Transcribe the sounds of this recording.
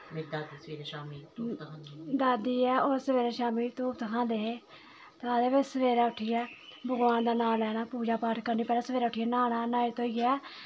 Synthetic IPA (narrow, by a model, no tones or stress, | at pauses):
med̪aːd̪isəʋeːɾeːʃaːmiːt̪ːt̪kʰãːd̪ed̪aːd̪iːɛːoːɾsəʋeːɾeːʃaːmiːt̪uːpt̪əkʰãːnd̪eːeː | t̪ad̪eːʋet͡ʃsəʋeːɾaːʊʈʰɪjaːbəɡʋaːnd̪aːnaːlɛːñaːpuːd͡ʒaːpaːʈkəɾniːpɛːlaːsəʋeːɾaːʊʈʰɪjaːnaːnaːnaːeːt̪oːiːɡɪaː